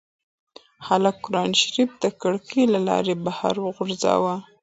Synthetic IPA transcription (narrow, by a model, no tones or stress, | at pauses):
halakːʊɾɑnʃɾifd̪əkaɽkʰilalɑ̰ɾebaha̰ɾwəɣʊɾzɑ̰wa